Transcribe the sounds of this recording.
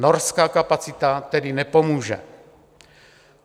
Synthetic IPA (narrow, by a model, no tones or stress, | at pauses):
noɾskaːkapat͡sɪt̪at̪ɛdɪnɛpo̞muːʒɛ̰